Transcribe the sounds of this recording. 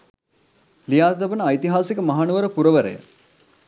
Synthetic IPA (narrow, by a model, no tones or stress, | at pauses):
lijaːt̪ət̪ɐbənəːjit̪iɦaːsikəmɐɦaːnuʋəɾəpuɾəʋəɾḛjə̰